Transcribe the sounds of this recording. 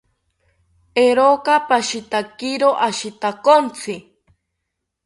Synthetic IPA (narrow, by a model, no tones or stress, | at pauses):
eɾokapaʃit̪akiɾoʔaʃit̪akont͡sʰɪ